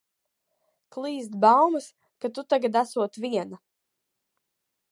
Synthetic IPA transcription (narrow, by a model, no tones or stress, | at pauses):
klˠiːzd̪bawmɨs | kat̪ut̪aɡad̪asuɔt̪vʲiɛna